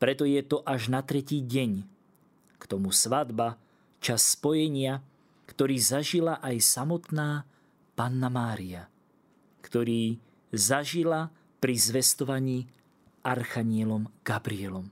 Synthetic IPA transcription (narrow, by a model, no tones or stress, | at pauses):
pɾɛt̪ɔjɛt̪ɔʔaʒnat̪ɾɛciːɟɛɲ | kt̪ɔmusʋad̪ba | t͡ʃasːpɔjɛɲɪa | kt̪ɔɾiːzaʒilaʔajsamɔt̪naː | panːamaːɾia | kt̪ɔɾiː | zaʒila | pɾizʋɛst̪ɔʋaɲiː | ʔaɾxaɲɪɛlɔmɡ̥abɾiɛlɔm